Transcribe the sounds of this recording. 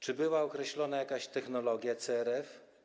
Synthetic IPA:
t͡ʂɘbɘwaɔkɾɛɕlɔn̪ajakaɕt̪ɛxnɔlɔɡʲjat̪sɛɛɾɛf

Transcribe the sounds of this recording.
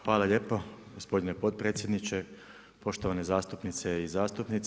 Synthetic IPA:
xʋaːlaʎʲeːpoɡospo̞d̪inepo̞d̪̚pɾeːt̪sjed̪nit͡ʃe | po̞ʃt̪oʋane̞zaːst̪upnit̪seizaːst̪upnit̪

